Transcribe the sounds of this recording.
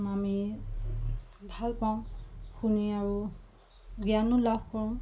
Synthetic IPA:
mami | bʱalpaʊ̃xuniaɹu | ɡianʊlabʱkɔɹʊ̃

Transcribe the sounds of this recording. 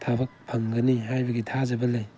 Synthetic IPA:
tʰabɐk̚pʰɐŋɡɐnihajbɐɡitʰazɐbɐlej

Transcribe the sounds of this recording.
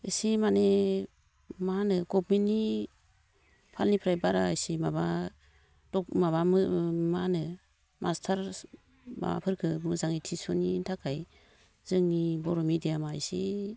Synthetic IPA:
isimane | manɯɡɔp̚mini | pʰalnipʰɾajbaɾaːjsimaba | d̥ɔkmaβamɯmanɯ | mʔastʰaɾ | ma̰pʰɯɾkʰɯmɯzaŋitʰisɔnintʰakʰaj | zɯŋnibɔɾɔmidijamajsi

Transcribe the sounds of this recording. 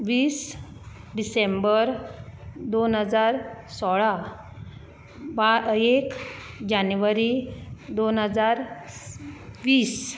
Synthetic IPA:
ʋiːs | ɖisembəɾ | d̪onɦəd͡zaɾsɔɭa | baekd͡ʑanjuʋaɾid̪onɦəd͡zaɾ | ʋiːs

